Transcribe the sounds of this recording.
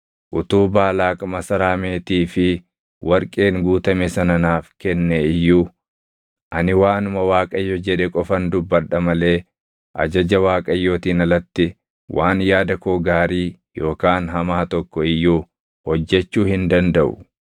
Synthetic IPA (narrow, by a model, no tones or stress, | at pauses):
ʔʊt̪uːbaːlaːkʼɐmɐsɐɾaːme̞ːt̪iːfɪ | wɐɾkʼe̞ːŋɡuːt̪ɐmesɐnɐnaːfkɛnːeɪjːuː | ʔɐnɪwaːnʊmɐwaːkʼɐjːɔd͡ʒɛᶑɛkʼɔfɐnd̪ʊbːɐɾᶑɐmɐle̞ː | ʔɐ̰d͡ʒɐd͡ʒɐwaːkʼɐjːoːt̪iːnɐlɐt̪ːɪ | waːnjaːd̪ɐkoːɡaːɾiːjo̞ːkaːnɦɐmaːt̪ɔkːɔɪjːuː | hɔd͡ʒːɛt͡ʃːuːhɪnd̪ɐnd̪ɐʔʊ̰